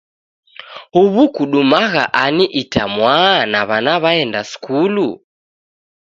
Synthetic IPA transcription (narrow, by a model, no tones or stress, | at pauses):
huβukuɗumaɣa̰ʔaniʔitamwanaβanaβaɛndaskulu